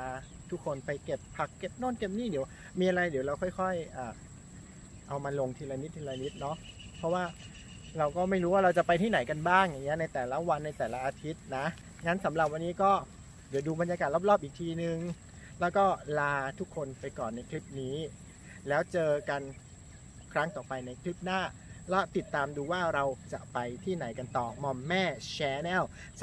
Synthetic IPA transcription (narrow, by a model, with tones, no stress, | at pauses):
aː˧t̪ʰu˦˥kʰːo˧npa˧jke˨˩pʰːa˨˩kːe˨˩p̚noː˥˩nke˨˩p̚niː˥˩di˨˩˦w | miː˧ʔa˧ɾa˧jd̪i˨˩˦wɾa˧wkʰɔ˥˩jkʰɔ˥˩jʔaː˨˩ | ʔa˧wmaː˧lo˧ŋt̪ʰiː˧la˧ni˦˥t̪̚ʰːiː˧la˧ni˦˥t̪̚nɔ˦˥ʔpʰɔ˦˥waː˥˩ | ɾa˧wkɔː˥˩ma˥˩jɾuː˦˥waː˥˩ɾa˧wt͡ɕa˨˩pa˧jt̪ʰiː˥˩na˩˦jka˧nbaː˥˩ŋja˨˩ŋːi˦˥ɐna˧jt̪ɛː˨˩la˦˥wa˧nːa˧jt̪ɛː˨˩la˦˥ʔaː˧t̪ʰi˦˥t̪̚na˦˥ | ŋa˦˥nsa˩˦mɾa˨˩p̚wa˧nːiː˦˥kɔː˥˩ | di˩˦duː˧ba˧nja˧kaː˨˩t̪̚la˥p̚lɔː˥˩p̚ʔiː˨˩k̚t̪ʰiː˧nɯ˨˩ŋ | lɛː˦˥wkɔː˥˩laː˧t̪ʰu˦˥kʰːo˧npa˧jkɔː˨˩nːa˧jkʰli˦˥p̚niː˦˥ | lɛː˦˥wt͡ɕɤː˧ka˧n | kʰɾa˦˥ŋt̪ɔː˨˩pa˧jna˧jkʰli˦˥p̚naː˥˩lɔ˦˥˩t̪i˨˩t̪ːaː˧mduː˧waː˥˩ɾa˧wt͡ɕa̰˨˩pa˧jt̪ʰiː˥˩na˩˦jka˧nt̪ɔː˨˩mɔ˧mːɛː˥˩t͡ɕʰɛː˧˥nɛː˥˩w